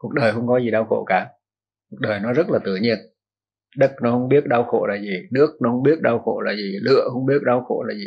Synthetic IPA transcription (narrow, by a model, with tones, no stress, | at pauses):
ku˨˩ək̚ɗəː˨˩jhə˧wŋ͡mkɔ˨˦zi˨˩ɗa˧wxo̰˧˩˨kaː˨˩˦ | ku˨˩k̚ɗəː˨˩jnɔ˨˦zə˦˥t̚laː˨˩t̪ɨ˧˩əɲi˧ən | ɗə˦˥t̚nɔ˨˦hə˧wŋ͡mɓi˦˥ət̚ɗa˧wxo̰˧˨laː˨˩zi˨˩nɨ˦˥ək̚nɔ˨˦hə˧wŋ͡mɓi˦˥ət̚ɗa˧wxo̰˧˩laː˨˩zi˨˩lɨ̰˧˨əhə˧wŋ͡mɓi˦˥ət̚ɗa˧wxo̰˧˩˨laː˨˩zi˨˩